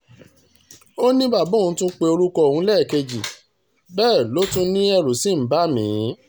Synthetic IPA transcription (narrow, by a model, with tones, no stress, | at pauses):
o˦nĩ˦ba˦˨bɔ̃˦˨ũ˨˧˦tũ˦k͡pe˧o˧ɾu˦kɔ˧˨hũ˨˦lɛː˦˨ke˧d͡ʒi˨ | bɛː˦˨lo˨˦tũ˧nĩ˦ɛ˧˨ɾu˨si˨˦m̩˨˦ba˦mĩ˨˦